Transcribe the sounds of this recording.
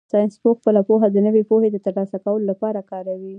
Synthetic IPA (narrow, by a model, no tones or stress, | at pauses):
sɑjnspoxpəlapoɦad̪ənəwepohed̪ət̪əɾlɑsakawəlolapɑɾakɑɾawi